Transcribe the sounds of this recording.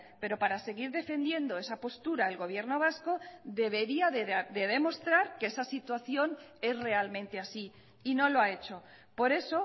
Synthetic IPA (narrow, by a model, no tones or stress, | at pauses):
pe̞ɾo̞paɾase̞ɣ̞iɾðe̞fe̞nd̪je̞nd̪o̞e̞sapo̞st̪uɾae̞lɣo̞βje̞ɾno̞β̞asko̞ðe̞β̞e̞ɾiaðeðe̞ðe̞mo̞st̪ɾaɾkeesasit̪waθjo̞ne̞zre̞almẽ̞nt̪e̞asi | ino̞lo̞ae̞t͡ʃo̞ | po̞ɾe̞so̞